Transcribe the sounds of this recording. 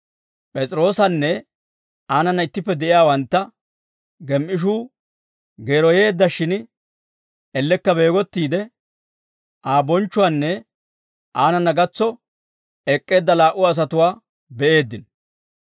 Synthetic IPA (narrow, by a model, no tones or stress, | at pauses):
pʼɛt͡sʼɪɾo̞ːsɐnːɛ | aːnɐnːɐɪt̪ːɪpːɛd̪ɛʔɪjaːwɐnt̪ːɐ | ɡɛmʔɪʃ̬uː | ɡe̞ːɾɔje̞ːd̪ːɐʃɪn | ʔɛlːɛkːɐbe̞ːɡɔt̪ːiːd̪ɛ | ʔaːbɔnt͡ʃːʊwanːɛ | ʔaːnɐnːɐɡɐt͡sːɔ | ɛkʼːe̞ːd̪ːɐlaːʔʊɐs̬ɐt̪ʊwaː | bɛʔe̞ːd̪ːɪn